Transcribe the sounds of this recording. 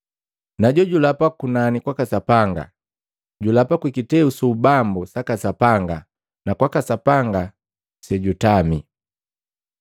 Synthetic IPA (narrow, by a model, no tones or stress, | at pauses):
naɟɔɟulapakunanikwakasapaŋɡa̰ | ɟulapakwikitɛusuubambusakasapaŋɡa | nakwakasapaŋɡa | sɛɟutami